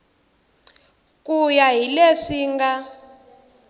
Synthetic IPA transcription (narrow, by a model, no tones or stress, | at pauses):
kʼujaɦileʂiŋɡa